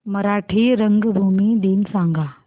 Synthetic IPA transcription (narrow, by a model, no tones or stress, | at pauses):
mɐɾaːʈʰiɾɐ̃ŋɡbʱuːmiɗiːnsãːŋɡʱaː